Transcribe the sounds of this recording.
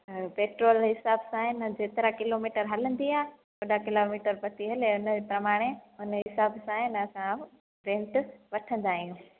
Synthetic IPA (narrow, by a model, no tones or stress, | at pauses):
peːʈɾoːlɦɪsaːbsãːɦɪnd͡ʑeːt̪ɪɾakɪloːmiːʈəɾɦɐlə̃nd̪iaː | koːɗakɪloːmiːʈəɾpɐt̪iɦɐleʊnəd͡ʑepɾɐmaːɽ̃eʊnəɦɪsaːbsãːɦɪnɐsã | ɾẽːɳʈʋɐʈʰə̃nd̪aːɦijũː